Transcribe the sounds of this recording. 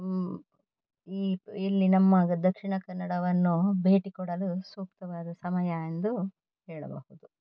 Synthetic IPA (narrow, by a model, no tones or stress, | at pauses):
iːilːinɐmːaːɡɐd̪ɐkʂiɳɐkɐnːɐɽɐʋɐnːubeːʈikɔɽɐlusuːk̚t̪ɐʋaːd̪ɐsɐmɐjɐend̪u | hɛːɭɐ̰bɐ̰hud̪u